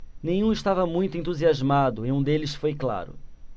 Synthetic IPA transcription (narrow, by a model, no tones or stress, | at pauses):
nẽj̃ũɪʃt̪avɐmũj̃t̪ʊẽnt̪uziazmad̪ʊiũd̪elɪsfojkla̰ɾʊ̰